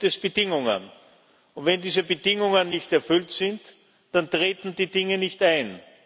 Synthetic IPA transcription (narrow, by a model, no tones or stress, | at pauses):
dɛsb̥ədɪŋʊŋə̰n | ʊntvɛndiːzəbədɪŋʊŋənːɪçtɛɐfʏltsɪnt | d̥antʁeːtn̩diːdɪŋənɪçtaɪn